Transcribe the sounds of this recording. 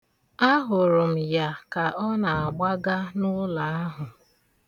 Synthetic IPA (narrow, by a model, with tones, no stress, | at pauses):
a˦ɦʊ˨ɾʊ˨m̩˨ja˨ka˨ʔɔ˦na˨a˨ɡ͡ba˦ɡa˦nʊ˦la˨a˦ɦʊ˨